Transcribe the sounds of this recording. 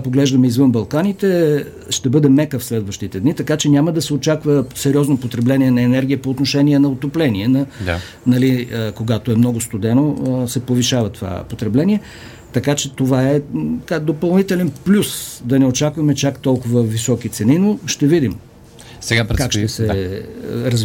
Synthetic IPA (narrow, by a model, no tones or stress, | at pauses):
poɡlɛʒd̪ɐmɛizvɤnbɐlˠkanit̪ɛ | ʃt̪ɛbɤd̪ɛmɛkəfslɛd̪vɐʃt̪it̪ɛd̪nit̪ɐkat͡ʃɛnʲaməd̪ɐsɛot͡ʃakvəsɛɾʲɔznopot̪ɾɛblɛniɛnɐɛnɛɾɡʲiəpoːt̪noʃɛnʲiɛnɐot̪oplɛniɛnɐd̪a̰ | nɐlikoɡat̪oɛmnɔɡʊst̪od̪ɛnosɛpoviʃavɐt̪ova̰pot̪ɾɛblɛnʲiɛ | t̪ɐkat͡ʃɛt̪ovaɛt̪ɐkad̪opɐlˠnit̪ɛlɛnplʲusd̪ɐnɛot͡ʃakvɐmɛt͡ʃakt̪ɔlˠkʊvəvisɔkit̪sɛninoʃt̪ɛvid̪im | sɛɡaɾkakʃt̪ɛsɛ | ɾɐz